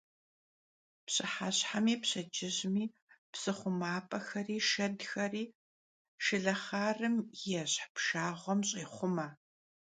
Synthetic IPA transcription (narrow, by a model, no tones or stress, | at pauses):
pɕɨħaɕħamiːpɕɐd͡ʒɪʑmiː | psɨχʷʊmaːpʼɐxɐriːʃɐdxɐriː | ʃɨɮɐχaːrɨmjɛɕħpʃaːʁʷɔmɕʼiːχʷʊmɐ